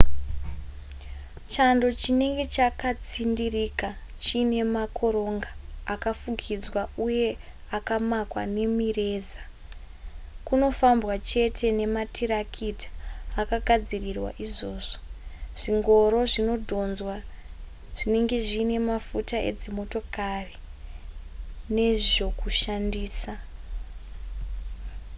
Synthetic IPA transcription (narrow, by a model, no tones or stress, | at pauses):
t͡ʃando̞t͡ʃine̞ŋɡe̞t͡ʃakat͡sindirika | t͡ʃine̞makʰo̞ɾo̞ŋɡaːkafukʰid͡zwauje̞ | akamakwa̰ne̞mire̞ːza | kuno̞fambwat͡ʃe̞tʰe̞ne̞matʰiɾakʰitḁːkaɡʱad͡zirirwa̰ʔizo̞ːzo̥ʐ̥iŋɡo̞ɾo̞ʐino̞dʱo̞nzwa | ʐ̥ine̞ŋɡe̞ʐiːne̞mafutae̞̰d͡zimo̞to̞kari | ne̞ʐo̞kuʃandiːsa